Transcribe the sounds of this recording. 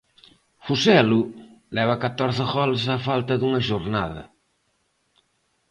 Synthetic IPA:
fusɛlulɛβ̞akat̪ɔɾθɪɣɔlsafalt̪ɐðuŋɐʒoɾna̰ðɐ̰

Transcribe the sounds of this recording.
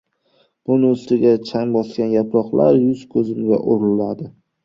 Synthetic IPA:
b̥ʊnɪɵst̪ɪɡʲat͡ʃʰaŋbɒskʲanjapɾɒqla̰ɾjʊzkʰɵzɪmɡʲa̰ʔoɾɪlad̪ɪ

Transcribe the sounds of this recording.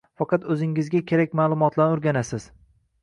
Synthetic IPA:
fɑqɑt̪ɵzɪŋɪzɡʲakʲʰe̞ɾak̚ʲmaːlˠʊmɒt̪ʰlanʊɾɡʲanasɪz̥

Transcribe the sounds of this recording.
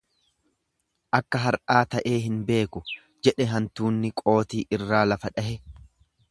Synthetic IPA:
ʔɐkːɐɦɐɾʔaːt̪ɐʔe̞ːɦɪnbe̞ːkʊ | d͡ʒɛᶑɛɦɐnt̪uːnːɪkʼo̞ːt̪iːʔɪrːaːlɐfɐᶑɐɦɛ

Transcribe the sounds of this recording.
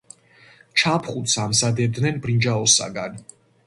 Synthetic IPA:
t͡ʃʰapʰχut̪samzad̪ɛd̪nɛnbɾind͡ʒaɔsa̰ɡan

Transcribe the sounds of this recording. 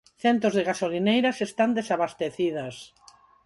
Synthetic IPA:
θɛnt̪ɾozðeɣasolinejɾasest̪and̪esaβast̪eθiðas

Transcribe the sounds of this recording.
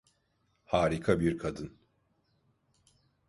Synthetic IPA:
haːɾikʰabiɾkʰad̪ɯn

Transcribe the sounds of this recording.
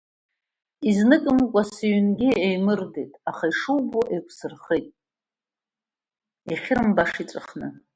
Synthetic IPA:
iznɨkʼɨmkʷʼasiɥnɡʲɪejmɨrdejtʼaχaiʂuwboʔejkʷʰsɨrχejtʼ | iχʲɪɾɨmbaʂit͡sʷʼɨχnɨ̰

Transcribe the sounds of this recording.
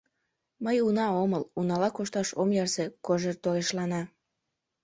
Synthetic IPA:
məjunɑoməlunɑlɑkoʃt̪ɑʃomjɑrzekoʒert̪oɣeʃlɑnɑ

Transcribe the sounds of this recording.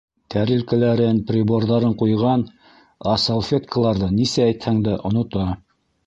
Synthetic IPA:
t̪ʰæɾɘ̆lkɘ̆læɾɘnprʲɪboɾðɑɾɤɴqujʁɑn | ɑsolˠfʲet̪kʰəlˠɑɾðɤnisææjt̪hæŋd̪ɘʔŏnŏt̪ɑ

